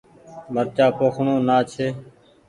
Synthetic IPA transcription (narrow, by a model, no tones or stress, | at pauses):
bʱəɾt͡ʃaːpoːkʰɳõːnaːt͡ʃʰeː